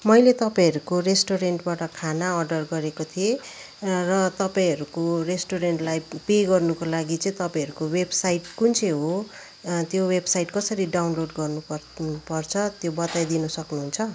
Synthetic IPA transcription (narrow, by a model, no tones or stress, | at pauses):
mʌjlet̪ʌpãĩɦʌɾukoresʈoɾeɳʈbaʈʌkʰanaʌrɖʌrɡʌɾekot̪ʰie | rʌt̪ʌpaĩɦʌɾukoresʈoɾeɳʈlajpeɡʌrnukolaɡit͡sʌĩt̪ʌpãʌɾukowebsajʈkunt͡sʰeɦo | t̪jowebsajʈkʌsʌɾiɖawnloɖɡʌrnupʌpʌrt͡sʰʌt̪jobʌt̪ajd̪inʌsʌknuɦunt͡sʰʌ